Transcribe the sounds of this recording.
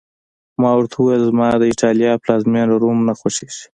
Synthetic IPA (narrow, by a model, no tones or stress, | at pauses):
mɑwaɾt̪ʰawuwejlzmɑd̪əɪʈʰɑljɑplɑzmjenɾaɾumnaxwaʃeʃi̥